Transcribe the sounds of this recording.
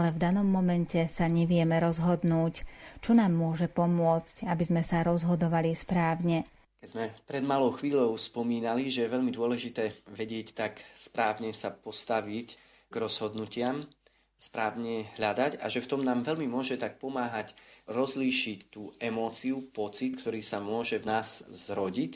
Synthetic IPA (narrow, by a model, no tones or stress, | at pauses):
alɛvd̪anɔmːɔmɛncɛsaɲɛʋɪɛmɛɾɔzɦɔd̪nuːct͡ʃɔnaːmːʊɔʒɛpɔmʊɔt͡scabizmɛsaɾɔzɦɔd̪ɔʋalispɾaːʊɲɛ | kɛzmɛpɾɛd̪malɔʊxʋiːlɔʊspɔmiːnaliʒɛjɛʋɛʎmid̪ʊɔlɛʒit̪ɛːʋɛɟɪɛct̪akspɾaːʊɲɛsapɔst̪aʋic | ɡɾɔz̥ɦɔd̪nucɪam | spɾaːʊɲɛɦʎad̪aca̰ʒɛft̪ɔmnaːmʋɛʎmimʊɔʒɛt̪ak̚pɔmaːɦacɾɔzliːʃict̪uːɛmɔːt͡siupɔt͡sit̪kt̪ɔɾiːsamʊɔʒɛvnaːz̥zɾɔɟic